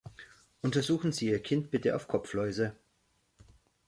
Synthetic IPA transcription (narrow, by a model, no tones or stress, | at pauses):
ʔʊntɐzuːxn̩ziːiːɐkʰɪntb̥ɪtəʔa̰ʊfkʰɔflɔʏzə